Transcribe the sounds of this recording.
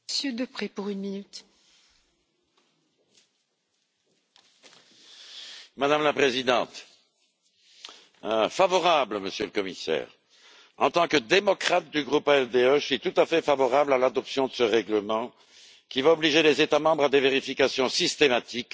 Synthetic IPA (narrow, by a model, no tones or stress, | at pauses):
sjød̪əpχepuʁynminyt̪ | mad̪amlapχezid̪ɑ̃t̪ | favɔʁabləməsjøləkɔmisɛ̰ːʁ | ɑ̃t̪ɑ̃kəd̪emɔkχat̪̚d̪yɡʁupaɛld̪eøʃɥit̪ut̪afɛfavɔʁablalad̪ɔpsjɔ̃d̪əsəʁɛɡləmɑ̃ | kʲivaɔbliʒelezet̪amɑ̃bʁad̪eveʁifikasjɔ̃sist̪emat̪ik